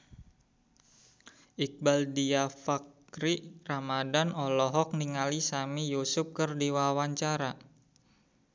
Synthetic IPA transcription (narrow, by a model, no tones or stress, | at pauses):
ʔik̚baldiafak | ɾiʔramadanɔlɔɦɔk̚niŋalisamijusup̚kɨrdiwawaɲt͡ʃaɾa